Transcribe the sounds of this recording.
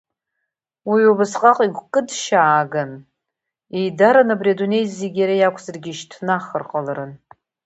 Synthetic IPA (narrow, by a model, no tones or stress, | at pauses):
wiobasqʼaqʼiɡʷkʼɨdʃaːɡan | ejdaɾanabriadune̞jzːiɡʲaɾajakʷʰzarɡʲiʃtʰnaχərqʼalaɾɨn